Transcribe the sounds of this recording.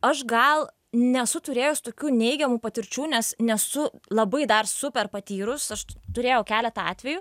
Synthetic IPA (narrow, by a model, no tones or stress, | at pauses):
ɐʃɡɐlˠ | nʲɛsʊt̪ʊɾʲeːjʊst̪oːkʲuːnʲɛɪɡʲɛmuːpɐt̪ʲɪɾʲt͡ʃʲuːnʲɛsnʲɛsʊlˠɐbɐɪd̪ɐrsʊpʲɛrpɐt̪ʲiːɾʊsɐʃt̪ʊɾʲeːjɛʊkʲæːlʲɛt̪ɐɑ̰ːt̪ʲʋʲɛjuː